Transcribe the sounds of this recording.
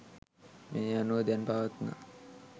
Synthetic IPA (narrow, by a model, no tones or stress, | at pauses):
meanuʋəd̪ɛnpaʋat̪na̰